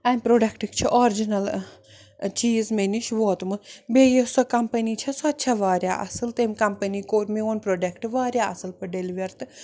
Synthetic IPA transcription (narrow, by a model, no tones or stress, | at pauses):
ɐmʲpɾoːɖɐkʈɨkt͡ʃʰiʔɔːɾd͡ʒinɐl | t͡ʃiːzmeniʃʋoːt̪mɨbeːjesɔkɐmpɐnit͡ʃʰɐsɔt̪t͡ʃʰɐʋaːɾjaʔɐ̰sɨlt̪emʲkɐmpɐnikoːɾmioːnpɾoːɖɐkʈʋaːɾjaɐsɨlpɐɖeliʋɐɾt̪ɨ